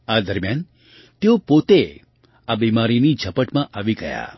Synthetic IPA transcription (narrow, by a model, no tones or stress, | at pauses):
ad̪əɾmjan | t̪eopot̪e | abimaɾinid͡ʒʱəpəʈmãʔaʋiɡəja̰